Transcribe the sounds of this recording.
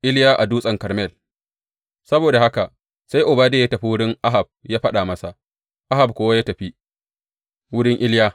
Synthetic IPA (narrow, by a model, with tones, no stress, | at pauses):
ʔɪ˦ljaː˦ʔa˨duː˦sʼɐ˨ŋkɐ˨ɾmɛ˦˨l | sɐ˦boː˨da˨ha˦ka˨ | sa˦jʔʊ˨baː˦deː˦˨jaː˦tɐ˨ɸi˦wʊ˦ɽɪ˦ŋʔa˦ɦa˨b̚jaː˦ɸɐ˦ɗa˨mɐ˦sa˨ʔ | ʔa˦ɦa˨b̚kʷoː˦wa˦jaː˦tɐ˨ɸi˦ | wʊ˦ɽɪ˦ŋʔɪ˦ljaː˦